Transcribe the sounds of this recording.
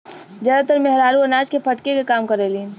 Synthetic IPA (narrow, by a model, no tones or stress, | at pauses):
d͡ʒəɾt̪əɾmeɦɾaːɾuənaːd͡ʒkepʰəʈkekekaːmkəɾeliːn